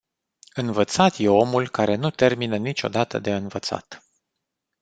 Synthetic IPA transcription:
ɨnvət̪sat̪je̞o̞mulkaɾe̞nut̪e̞rminənit͡ʃo̞̰d̪at̪ə̰d̪e̞ɨnvət̪sa̰t̪

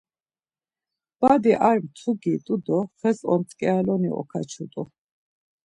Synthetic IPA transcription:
b̥ad̪iʔaɾmt̪ʰuɡit̪ʼud̪ɔχɛsɔnt̪ʼkʼɛalɔnḭɔ̰kʰa̰t͡ʃʰut̪ʼu

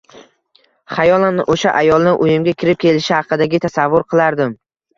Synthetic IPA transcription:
χajɒlˠanʔoʃaʔajɒlˠnɪʔʊjɪmɡʲakʲʰɪɾɪp̚kʲe̞lɪʃɪhɑqʰɨd̪aɡʲɪt̪ʰasavːʊɾqʰɨlˠaɾd̪ɪm

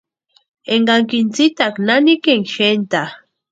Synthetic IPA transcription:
eŋɡaŋkint͡sit̪aknanikeŋʃent̪a

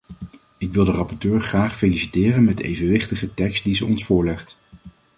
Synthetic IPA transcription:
ɪkʋɪlˠdərɑpɔtøːɹχraːχfelisi̥tɪːrənmɛdəḛjvənʋɪχtəχətɛkst̚dizəɔnsfʊːɹlɛχt

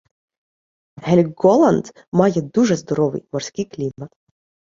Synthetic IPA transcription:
ɦɛlʲɡɔlˠɐnd̪ | mɑjɛd̪uʐɛzd̪ɔɾɔʋɨ̰jmɔrsʲkʲɪjklʲimɐt̪

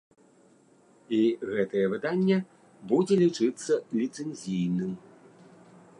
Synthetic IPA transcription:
iɣɛt̪ɐjɛvɨd̪anʲːɛ | bud͡zʲɛlʲit͡ʂɨt̪sːɐlʲit̪sɛnʲzʲijnɨm

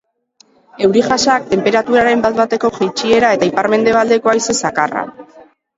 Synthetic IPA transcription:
e̞wɾiʝasak̚t̪e̞mpe̞ɾat̪uɾaɾe̞mbat̪bat̪e̞ko̞ʝejt͡ʃie̞ɾae̞t̪aipaɾme̞nd̪e̞β̞ald̪e̞ko̞ajse̞sakara̰

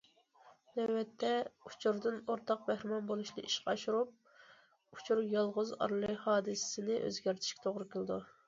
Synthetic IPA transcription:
nɛːɛt̪ʰːɛut͡ʃʰuɾd̪ɨnoɾt̪ʰɑq̚bæhɾɪmɑnbolˠuʃnɨ̰ʔiʃqɑɑʃuɾup̚ | ut͡ʃʰuɾjɑlˠʁʊzɑ̰ɾlˠɨhɑːd̪ɨsɪ̥sɪnɪʔø̰zɡʲæɾt̪ʰɪ̥ʃkʲɛ̥t̪ʰoʁɾɨkʲʰelˠɪd̪u

